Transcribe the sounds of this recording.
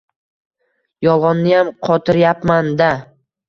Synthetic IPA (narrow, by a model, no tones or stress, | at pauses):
jɒlˠʁɒnːɪjamqʰɒt̪ʰɪɾjapmand̪a